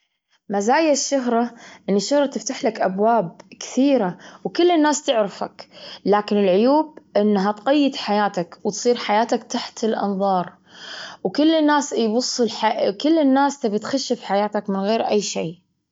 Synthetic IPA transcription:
mazaːjaʃːʊɦɾˤɑʔɪnːɪʃːʊhɾˤɑt̪ɪft̪aħlakʔabwaːb̚kɪ̥θiːɾawkʊlːɪnːaːst̪ɪʕɾɪfa̰klaːkɪnɪlʕʊjuːb̚ʔɪnːɦat̪qɑjːɪd̪ħajaːt̪akwt̪sˤiːɾħajaːt̪akt̪aħt̪ɪlʔɑ̰nðˤɑːɾˤ | wkɪlːɪnːaːsjbʊsˤːɨlħakɪlːɪnːaːst̪abɪt̪xaʃːɪfħajaːt̪akmɪnɣeːɾʔajːʃeː

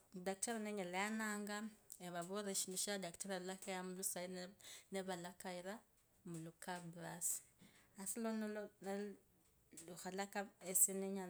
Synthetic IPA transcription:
dakteɾaneɲalajanaːŋɡaeβaβoɾeʃiniʃadaktaɾalakajamulusaineβalakaiɾa | mulukabɾasi̥asilonolona | luxalakaesineɲa

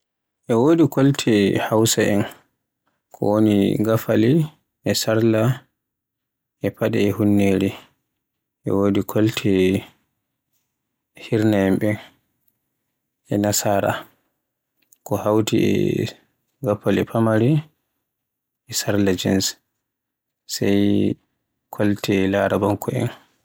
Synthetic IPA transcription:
ʔɛwoːdikoltʰɛhawsaɛn | kʰɔ̰woniɡafali | ʔɛsaɾla | ʔɛpaɗɛ̰ɛhunːeɾi | ʔɛ̰woːdikʰoltʰɛ | hiɾnaɛmɓɛn | ʔɛnasaːɾa̰ | kɔhawtiɛ̰ | ɡafalipʰamaɾi | ɛsaɾlad͡ʒḭns | saj | kʰɔltʰɛlaːɾabaŋkʰɔɛ̰n

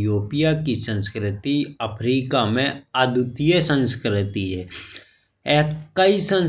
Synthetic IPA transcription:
joːpijakisə̃nskɾɪt̪iəpʰɾiːkamẽad̪ʱut̪ijəsə̃nskɾɪt̪iɦɛː | ɛːkaisə̃n

